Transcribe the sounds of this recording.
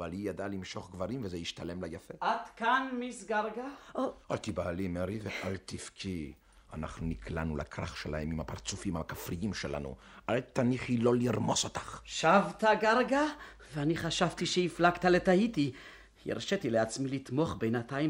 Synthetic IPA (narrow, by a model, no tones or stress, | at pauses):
alijad̪alimʃo̞χɡvaʁimvezejiʃt̪alemlajafeʔad̪̥kanmisɡaʁɡaoalt̪ibaːlimeɾiveʔalt̪ifkʰi | ana̰χnunikʰlanula̰kʁaχʃelahemimhapaʁt͡sufimhakafʁijimʃela̰nṵʔalt̪aniχhilo̞liʁmo̞sot̪ḁχʃavt̪aɡaʁɡa | veaniχaʃavt̪iʃeiflakt̪alet̪ait̪i | jḭʁʃet̪ileat͡smilit̪mo̞χbejnat̪aim